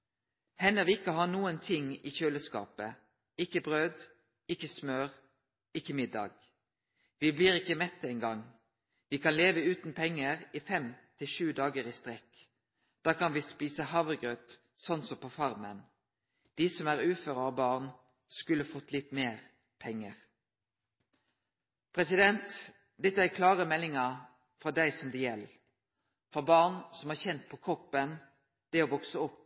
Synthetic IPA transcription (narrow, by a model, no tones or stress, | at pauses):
hɛnəʋɪɪkːəhɑːnuːənt̪ʰɪŋiːçøːləskɑ̰ːpə | ɪkːəbʁøːd̪ | ɪkːəsmøːʁ | ɪkːəmɪd̪ɑ̰ːɡ | ʋiːbliːʁɪkːəmɛt̪ːɛɪŋɡɑŋ | ʋiːkʰɑnleːʋəʉːt̪npʰɛŋːəʁiːfɛmt̪ʰɪlʃʉːd̪ɑːɡəʁiːst̪ʁɛk | d̪̥ɑːkɑnʋiːspiːsəhɑʋʁɡʁøt̪ | sɔnːsɔpʰofɑʁmən | d̪̥iːsɔmæʁʉːføːʁəɑbɑːʁn | skʉləfɔt̪ːlɪt̪meːʁ | pʰɛŋːəʁ | pʰʁɛsɪd̪ɛnt̪ | d̪ɛt̪ːəækʰlɑːʁəmɛlːɪŋɑ | fɾɔd̪æɪsɔmd̪ɛjɛl | fɔʁbɑʁnsɔmæːçɛnt̪̚pʰɔkʰʁɔpːən | d̪̥ɛoːʋɔksəɔpː